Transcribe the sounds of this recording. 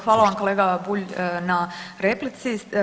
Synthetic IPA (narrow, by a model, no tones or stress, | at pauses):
xʋaːlaʋamko̞leːɡabuʎnaɾeplit̪si